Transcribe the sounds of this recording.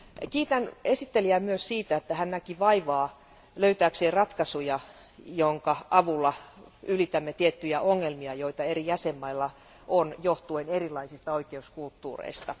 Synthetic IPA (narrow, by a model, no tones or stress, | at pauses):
kiːt̪ænesit̪ːeliæːmyøssiːt̪æet̪ːæhænnækiʋɑiʋɑː | løyt̪æːkseːrɑt̪kɑsujɑ | joŋkɑʔɑʋulːɑylit̪æmːet̪iet̪ːyjæʔoŋːelmiɑjoit̪ɑerijæsemːɑilːɑ | ʔonjoht̪uenerilːˑɑisist̪ɑoikeuskult̪ːṵːrḛist̪ɑ